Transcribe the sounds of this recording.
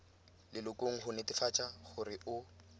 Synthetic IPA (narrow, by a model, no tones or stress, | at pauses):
lɪlʊkʼoŋ̩χʊnetɪfat͡ʃʼaχʊrɪʊ